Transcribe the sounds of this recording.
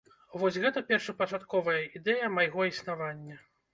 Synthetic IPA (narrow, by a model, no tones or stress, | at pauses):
vɔsʲɣɛt̪ɐpʲɛrʂɐpɐt͡ʂat̪kɔvɐjɐid̪ɛjɐmajɣɔisnavanʲːɐ